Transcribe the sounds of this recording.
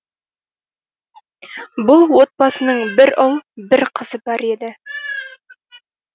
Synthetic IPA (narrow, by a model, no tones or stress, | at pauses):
bʊlˠwot̪̚bɑsɤ̆nɤɴbɘɾɤlˠbɘɾqʰɤ̆zɤbɑɾed̪ɘ